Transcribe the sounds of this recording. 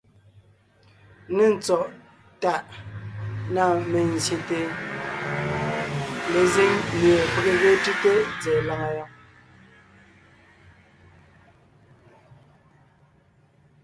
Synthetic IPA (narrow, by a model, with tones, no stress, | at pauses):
ne˦˨n̩˨t͡sɔ˨ʔ | ta˦˨ʔ | na˨me˨n̩˨zje˨te˨ | le˨ze˦ŋmje˨ke˦˨ke˦ɣe˦ti˦te˦d͡ze˨la˦ŋa˨jɔ˦ŋ